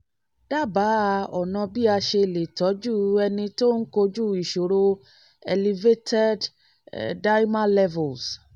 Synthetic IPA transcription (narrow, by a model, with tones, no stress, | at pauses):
d̥a˦˨ba˨˦˧ɔ˨nã˨˧bi˦a˧ʃe˧˨le˨tɔ˨˦d͡ʒu˦˨ɛ˧nĩ˧to˦n̩˦ko˧d͡ʒu˦˨i˨ʃo˨ɾo˧ | ɛ̰˧li˧ve˦tʰɛ˦d | da˦jmã˦lɛ˦vo˨ls